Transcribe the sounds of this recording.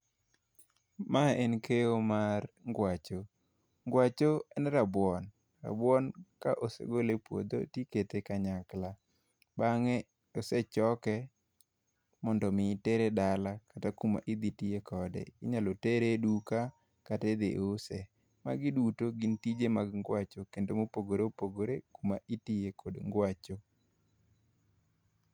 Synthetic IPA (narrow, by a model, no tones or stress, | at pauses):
maenkʰeomarŋɡwat͡ʃo | ŋɡwat͡ʃoɛnɾabwɔn | ra̰bwɔnkaʔosḛɡolepwo̰d̪o̰tiket̪ekaɲakla | baŋɛ | oset͡ʃɔkɛ | mɔndɔmɪteɾedalakatakuma̰ʔid̪itɪjekʰɔdɛ̰ɪ̰ɲaloteɾeduka | kated̪eʔosɛ | ma̰ɡɪdutoɡɪntid͡ʒemaɡŋɡwat͡ʃokendomopoɡoɾeopoɡoɾekumaʔitijekʰodŋɡwat͡ʃo